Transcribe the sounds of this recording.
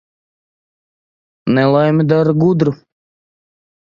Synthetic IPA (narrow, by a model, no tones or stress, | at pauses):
nɛlˠajmʲid̪aɾɡud̪ɾu